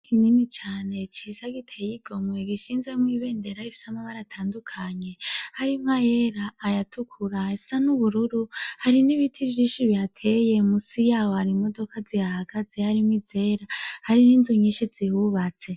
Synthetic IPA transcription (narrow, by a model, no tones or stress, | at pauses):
kʰininit͡ʃaːne̞t͡ʃizaɡitʰejiɡ̥o̞mwe̞ɡiʃiːnzemwiːβe̞ːndeɾaifi̥samaβaɾatʰaːndukʰaɲe̞haɾimajeɾaːjatʰukʰuɾaesanuβuɾuɾuhaɾiniβitʰivʒiːʃiβjatʰe̞je̞musijaːwohaɾimodo̞kʰazihahaɡ̥azehaɾimwid͡zeɾahaɾiniːnzoɲiʃizihuβat͡se̞